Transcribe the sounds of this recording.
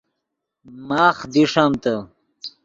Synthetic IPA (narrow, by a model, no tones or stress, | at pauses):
maːχd̪iʂamt̪ɐ